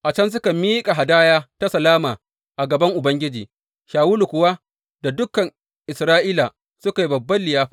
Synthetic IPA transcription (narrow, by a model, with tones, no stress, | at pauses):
ʔa˨t͡ʃɐ˦ns̬ʊ˦ka˨miː˦kʼa˨ɦa˨daː˦jaː˦ta˦sɐ˨laː˦maː˨ | ʔa˨ɡɐ˨bɐ˦ŋʔʊ˨bɐ˦ŋɡʲɪ˦d͡ʒḭː˨ | ʃaː˨wuː˦lu˨kʷʊ˨wa˦ | da˨dʊ˦kɐ˨ŋ | ʔɪ˨sɾaː˦ʔiː˦la˨ | sʊ˦ka˨ji˦bɐ˨bːɐ˦lːɪ˨jaː˦ɸaː˦